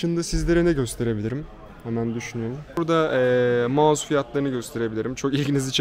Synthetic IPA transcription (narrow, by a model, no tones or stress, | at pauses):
ɯnd̪asizlʲe̞ɾinɛɟø̞st̪ʰe̞ɾe̞bilʲiɾim | hɛmænd̪yʃynyjøɾumɾd̪aɛːmaːzufijat̪lˠaɾɯnɯɟø̞st̪ʰe̞ɾe̞bilʲiɾimt͡ʃʰo̞kilʲɟinizit͡ʃʰ